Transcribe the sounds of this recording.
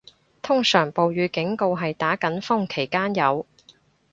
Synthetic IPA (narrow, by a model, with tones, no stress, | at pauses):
t̪ʰʊ˥ŋsœː˨˩ŋpo˨wjyː˨˧kɪ˨˥ŋko˧wɦɐ˨jt̪aː˨˥kɐ˨˥nfʊ˥ŋkʰe˨˩jkaː˥njɐ˨˧w